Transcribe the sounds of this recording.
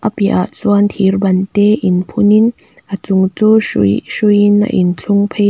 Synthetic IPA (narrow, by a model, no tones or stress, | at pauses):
ʔapiʔa̰ʔt͡suant̪ʰirbɐnt̪eʔinpʰunin | ʔat͡suŋt͡susujina̰ʔḭnt͡ɬʰuŋpʰe